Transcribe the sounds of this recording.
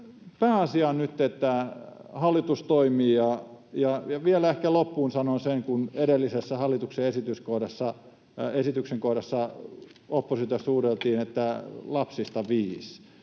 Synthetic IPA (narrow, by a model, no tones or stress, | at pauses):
pæːɑsiɑnnyt̪ːet̪ːæhɑlːit̪ust̪oimiːjɑjɑjɑʋiælæehkælopːuːnsɑnonseŋkuneɾelːisesːæhɑlːˑit̪ukseesit̪yskohdɑsːɑ | esit̪ykseŋkohdɑsːɑ | opːosit̪jɑsuːrelt̪iːnet̪ːælɑpsist̪ɑʋiːs